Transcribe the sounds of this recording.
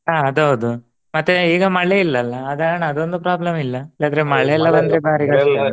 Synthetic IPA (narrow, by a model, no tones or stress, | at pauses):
ɦaːɐd̪ɦɐʋud̪u | mɐt̪ːeiːɡɐmɐɭːeilːɐlːɐːd̪aɳɐɐd̪o̞nd̪upɾaːblɐmilːɐlːaːd̪ɐɾemɐɭeɛlːɐbɐnd̪ɐɾebaːɾiɡɐ